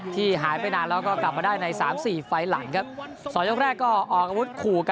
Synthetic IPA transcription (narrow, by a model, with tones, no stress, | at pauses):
t̪ʰiː˥˩ɦaː˩˦jpa˧jnaː˧nlɛː˦˥wkɔː˥˩kla˨˩p̚maː˧daː˥˩jna˧jsaː˩˦msiː˨˩fa˧jla˩˦ŋkʰa˦˥p̚ | sɔː˨˦njo˥kɾɛː˥˩kːɔː˥˩ʔɔː˨˩k̚ʔa˧wu˦˥t̪̚kʰuː˨˩k